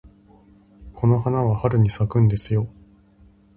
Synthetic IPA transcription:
kʰo̞no̞ɦanaβahaɾɯ̟ɲ̟isakɯ̟̃nd̪e̞sɨjo̞

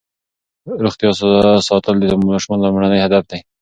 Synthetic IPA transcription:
ɾʊxt̪ijɑsasɑt̪əld̪id̪əmɑʃmɑnd̪amaɳanajhad̪afd̪e

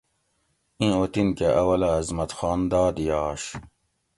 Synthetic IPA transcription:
ĩot̪inkeʔɐwɐlɐɐzmɐt̪xɑːnd̪ɑːd̪ijɑːɕ

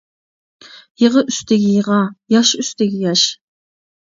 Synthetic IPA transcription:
jɨʁəʔyst̪ʰɪɡʲɪjəʁɑjɑʃyst̪ʰɪɡʲɪjɑʃ

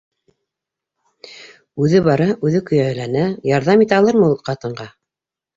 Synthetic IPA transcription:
ʉðɘβɑɾɑʔʉðɘkɵ̆jæɘ̆lænæjɑɾðɑmit̪æɑlˠɤɾmɤulˠqɑt̪ɤ̆ɴɢɑ

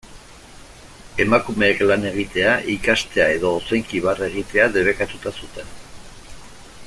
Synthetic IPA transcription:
e̞makume̞ːklane̞ɣ̞it̪e̞aʔikast̪e̞ae̞ðo̞ːsejŋkiβ̞are̞ɣit̪e̞aðe̞βe̞kat̪ut̪asut̪e̞n

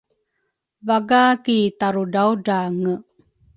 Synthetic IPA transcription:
vaɡakitaɾudawdaŋə

